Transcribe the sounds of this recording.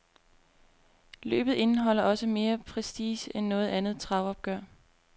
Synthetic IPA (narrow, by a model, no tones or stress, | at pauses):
lø̰ːb̥ð̩ˠe̝nəɦɒ̽l̰ɐʔɒ̽səme̝ːɐpʰʁɛsd̥iːsenːɔ̽ːð̞̩ˠænð̞̩ˠt͡sʰʁɑ̈ʊɒ̽b̥̚ɡ̥ɶɐ̰